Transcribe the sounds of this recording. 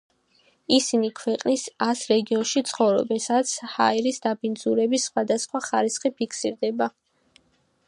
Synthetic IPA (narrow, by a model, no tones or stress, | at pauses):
isinikʰwɛqʼnisasɾɛɡiɔnʃit̪sʰχɔvɾɔ̰bɛnsad̪at̪sʰha̰ɛɾisd̪abind̪zuɾɛbisːχwad̪asχwaχaɾisχipʰikʰsiɾd̪ɛba